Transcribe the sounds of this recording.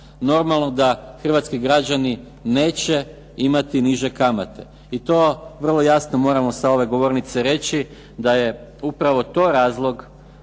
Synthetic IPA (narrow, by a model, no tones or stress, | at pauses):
no̞ɾmalˠno̞d̪axr̩ʋat̪skiɡɾad͡ʑani | ne̞ːt͡ɕe̞ | imat̪iniʒe̞kamat̪e̞ | it̪o̞ːʋər̩lˠo̞jasno̞mo̞ːɾamo̞sao̞ʋe̞ɡo̞ʋo̞ɾnit̪se̞ɾe̞t͡ɕi | d̪aje̞upɾaʋo̞t̪o̞ːɾaːzlˠo̞ɡ